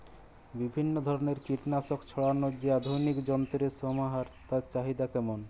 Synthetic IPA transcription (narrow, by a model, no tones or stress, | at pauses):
bibʱinːod̪ʱɔɾoneɾkɾiʈnaʃokt͡ɕʰɔɽanod͡ʑead̪ʱojnikd͡ʑɔnt̪ɾesɔmaɦaɾt̪at͡ɕaɦid̪akɛmon